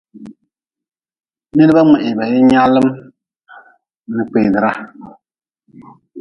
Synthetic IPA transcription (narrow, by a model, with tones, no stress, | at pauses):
nɛ˦lɨ˦ba˦ŋ͡mɛ˨ʔɪ˨ba˨jɪ˦ɲa˦lːɨ˦m | nɨ˨k͡peː˨dɨ˨ɾa˦